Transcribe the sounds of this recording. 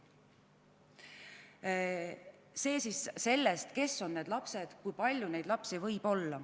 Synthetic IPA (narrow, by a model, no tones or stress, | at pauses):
se̞ːsisse̞lːest̪ke̞sːo̞nnːe̞ːd̪lɑpse̞d̪̥kujpɑlʲjune̞jd̪̥lɑpsivɤ̞jb̥o̞lːɑ